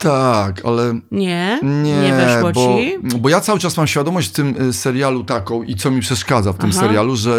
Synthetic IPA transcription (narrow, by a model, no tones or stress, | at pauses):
t̪akʰa̰lɛɲɛɲɛɲɛɛʃɔbɔibɔjat̪sawɘt͡ʂasmamɕfʲjad̪ɔmɔɕt͡ɕft̪ɘmsɛɾjalut̪akɔ̃w̃ʔit̪sɔmʲipʂɛʂkad̪zaft̪ɘmsɛɾjaluʐɛ